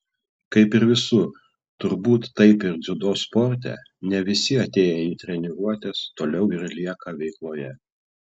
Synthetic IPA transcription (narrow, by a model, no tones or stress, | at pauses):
kɐɪpɪɾʋʲɪsʊ | t̪ʊɾbuːt̪ːɐɪpɪɾd̪zʲʊd̪oːspɔɾʲt̪ʲɛ̰ | nʲɛʋʲɪsʲɪɐt̪ʲeːjɛiːt̪ʲɾʲɛnʲɪɡuɔt̪ʲeːst̪oːlʲɛʊɪɾlʲiɛkɐʋʲɛɪklˠoːjɛ